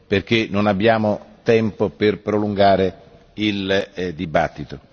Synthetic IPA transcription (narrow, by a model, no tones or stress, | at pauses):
perk̟enonabːjaːmot̪ɛmpoperpɾoluŋɡaːɾe | ild̪ibat̪ːit̪o